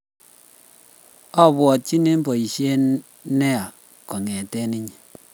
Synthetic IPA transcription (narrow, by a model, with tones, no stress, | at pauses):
a˦bwɔ˨t̚t͡ʃi˦ne˦m˦bɔ˨i˨ʃe˦n | nɛ˦a˨ | kɔ˨ŋɛ˨tɛ˦ni˦ɲ˨